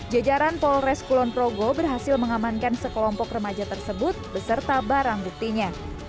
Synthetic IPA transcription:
d͡ʒad͡ʒaɾanpɔlrɛskulɔnpɾoɡobərɦasɪlməŋamankansəkəlɔmpɔkrəmad͡ʒat̪ərsəbʊt̪̚bəsərt̪abaɾaŋbuk̚t̪iɲa

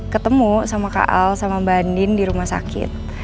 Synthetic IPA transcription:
kət̪əmusamaka̰ʔalsamabandɪndiɾumahsa̰kɪ̰t̪̚

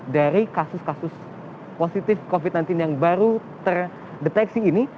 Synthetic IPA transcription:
daɾikasʊskasʊs | posit̪ɪfkofit̪̚najnt̪ɪnjaŋbaɾu | t̪ər | dɛt̪ɛksiːni

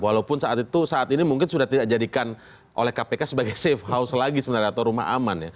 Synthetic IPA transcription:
walaupʊnsaʔat̪it̪usaʔat̪inimuŋkɪnsudaht̪idak̚d͡ʒadikan | ʔo̰lɛhkapekasəbaɡajsɛfhaʊslaɡisəmənaɾiat̪aɾuma̰ɦa̰manja

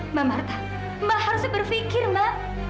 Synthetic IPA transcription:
mamart̪a | mahaɾusbərfikɪrma

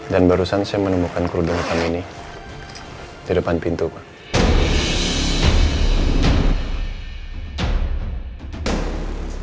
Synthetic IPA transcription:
danbaɾusansajamənəmukankuɾudəŋk̪amini | didəpanpint̪uka

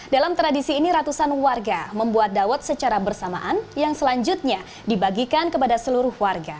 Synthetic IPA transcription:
dalamt̪ɾadisiːniɾat̪usanwarɡaməmbuat̪̚dawat̪̚sət͡ʃaɾabərsama̰ʔanjaŋsəlaɲd͡ʒʊt̪̚ɲa | dibaɡikankəpadasəluɾʊhwarɡa

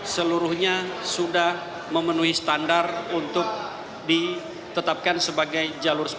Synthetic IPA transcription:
səluɾʊhɲasudah | məmənuɦisə̥t̪andarunt̪ʊk̚ | di | t̪ət̪ap̚kansəbaɡajd͡ʒalʊrs

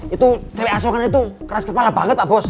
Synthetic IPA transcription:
it̪ut͡ʃəwɛasokŋanait̪ukəɾaskəp̪alab̥a̤ŋət̪̚abɔs

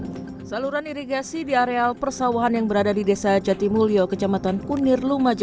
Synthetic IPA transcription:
saluɾaniɾiɡasidiaɾealpərsawaɦanjaŋbəɾadadidesad͡ʒat̪imuliokət͡ʃamat̪ankunɪrlumad͡ʒ

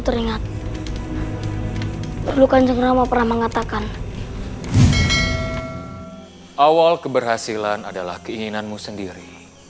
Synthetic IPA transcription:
t̪əɾiŋat̪̚ | pərlukand͡ʒəŋnamapərnahməŋat̪akan | ʔawalkəbərɦasilanadala̰hkəiŋinanmusəndiɾi

